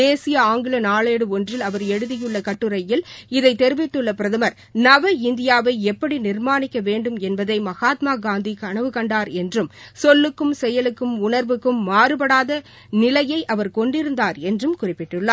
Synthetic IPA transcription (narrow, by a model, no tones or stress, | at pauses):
eːsɪjɐaːŋɡɪɭɐnaːɭeːɽɯɔndrɪlɐʋɐɾɛɽɯðɪjɯɭːɐkɐʈːɯɾɐjɪlɪðɐɪt̪ːɛɾɯʋɪʈːɯɭːɐpɪɾɐðɐmɐɾ | nɐʋɐɪnd̪ɪjaːʋɐɪɛpːɐɽinɪɾmaːnɪkːɐʋeːɳɖɯmɛnbɐðɐɪmɐɣaːt̪maːɡaːnd̪ikɐɳɐʋɯkɐɳɖaːɾɛndrɯmsɔlːɯkːɯmsɛjɐlɯkːɯmʊɳɐɾʋɯkːɯmːaːɾɯpɐɽaːðɐ | nɪlɐjɐɪʔɐʋɐɾkɔɳɖɪɾɯnd̪aːɾɛndrɯmkʊrɪpːɪʈːɯɭːaː